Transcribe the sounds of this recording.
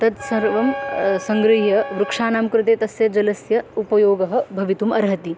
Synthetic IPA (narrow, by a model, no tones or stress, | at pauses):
t̪ɐt̪sɐɾʋɐmsɐŋɡɾɐɦjɐʋɾukʂaːnaːmkɾɪt̪eːt̪ɐsjɐd͡ʒɐlɐsjɐupɐjoːɡɐɦɐ̆bʱɐʋit̪umɐɾɦɐt̪i